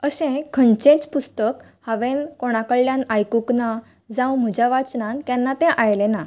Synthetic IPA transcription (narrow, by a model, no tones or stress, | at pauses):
əɕɛ̃kʰənt͡ɕẽt͡spust̪ək | haʋẽnkoɽ̃akəɭljãnajkukna | d͡zãwm̤əd͡ʑjaʋat͡snãnt̪janːat̪ɛ̃ʔajlena